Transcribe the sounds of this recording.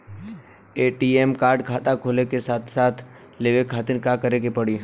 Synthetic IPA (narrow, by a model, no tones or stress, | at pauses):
eːʈiemkaːɾɖkʰaːt̪akʰoːlekesaːt̪ʰsaːt̪ʰ | leːʋekʰaːt̪ɪɾkaːkəɾeɡepɐɽi